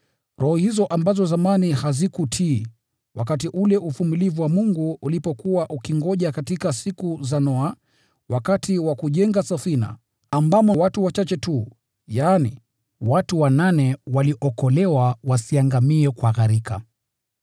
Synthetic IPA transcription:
ɾɔhɔhizɔʔambazɔzamanihazikutʰiː | wakatiʔulɛʔufumilivuwamuŋɡuulipɔkuwaʔukiŋɡɔʄakatikasikuzanɔa | wakatiwakuʄɛŋɡasafina̰ː | mbamɔwatuwat͡ʃat͡ʃɛtu | jaːnḭ | watuwananɛwaliʔɔkɔlɛwawasiaŋɡamiɛkwaɣaɾika̰

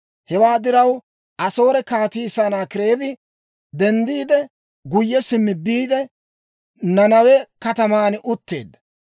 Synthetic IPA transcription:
hɛwaːd̪ɪɾɐw | ʔɐso̞ːɾɛkaːt̪iːsanaːkɪɾe̞ːbɪ | d̪ɛnd̪iːd̪ɛ | ɡʊjːɛsɪmːɪbiːd̪ɛ | nɐnɐwɛkɐt̪ɐmaːnʔʊt̪ːe̞̰ːd̪ːɐ̥

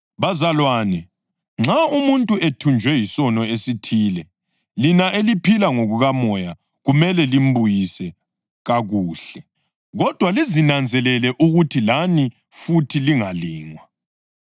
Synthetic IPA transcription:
βazalwaːnɛ | ŋ͡ǁʱaumuntʼuetʰund͡ʒʱwɛjisɔnɔesitʰiːlɛ | linaelipʰilaŋoɣuɣamɔja | ɣumɛlɛlim̩bʱujisɛ | ɣaɣuːɬɛ | ɣɔd̥ʱwalizinand͡zʱɛlɛlɛʔuɣutʰilani | futʰiliŋaliːŋwa

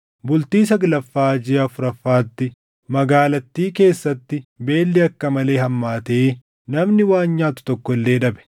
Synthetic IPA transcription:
bʊlt̪iːs̬ɐɡlɐfːaːd͡ʒɪɐfʊɾɐfːaːt̪ːɪ | mɐɡaːlɐt̪ːiːke̞ːsːɐt̪ːɪbe̞ːlːɛɐkːɐmɐle̞ːɦɐmːaːt̪e̞ː | nɐmnɪwaːɲːaːt̪ʊ̥t̪ɔkːɔɪlːe̞ːᶑɐbɛ̥

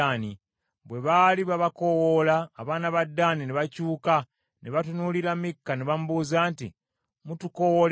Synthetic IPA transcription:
ani | βwe̞βaːliβaβako̞wolaːβaːnaβadːaːnineβacuːka | neβatunuːliɾamikːaneβamuβuːzaːnti | mutuko̞wol

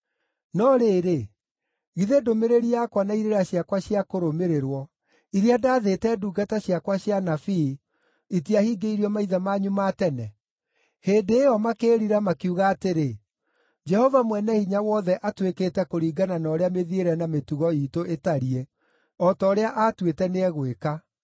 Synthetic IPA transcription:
nɔɾeːɾe | ɣiðedomeɾeɾiakwanaiɾeɾaɕjakwaɕiakoɾomeɾeɾwɔ | iɾiadaːðetɛduːɡataɕjakwaɕjanafi | itiahiɡeiɾiɔmaiðamaɲumaːtɛnɛ | heːndeːɔmakeːɾiɾamakiuɣaːteɾe | d͡ʒɛhɔvamwɛnɛhiɲawɔðɛʔatweketɛkoɾiːɡananɔːɾeameðieɾɛnametuɣɔiːtoʔetaɾie | ɔtɔːɾeaʔatwetɛneɛɣweka

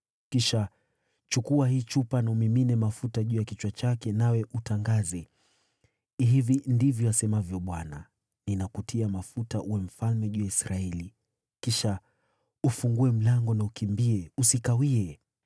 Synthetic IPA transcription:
kiʃa | t͡ʃukuahiːt͡ʃupanaumiminɛmafutaʄuːjakit͡ʃwat͡ʃakɛnawɛʔutaŋɡazɛ | ɦivindivjɔasɛmavjɔɓwana | ninakutʰiamafutaʔuwɛm̩falmɛʄujaisɾaɛli | kiʃa | ufuŋɡuɛm̩laŋɡɔnaukimbiɛusikawiɛ

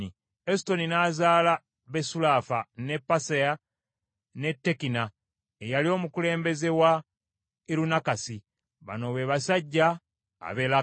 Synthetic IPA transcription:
i | esi̥to̞ninaːzaːla | βe̞sulaːfane̞pːaseja | ne̞tːe̞kina | ejalio̞ːmukule̞ːmbe̞ze̞wa | iɾunakasi | βa̰no̞βeːβasaɟːa̰ː | βela

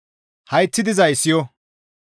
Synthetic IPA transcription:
hɐjt̪ːɪd̪ɪzɐjsːɪjɔ

